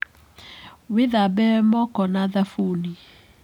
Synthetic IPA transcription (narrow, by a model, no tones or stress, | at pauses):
weðabɛmɔkɔnaðafuni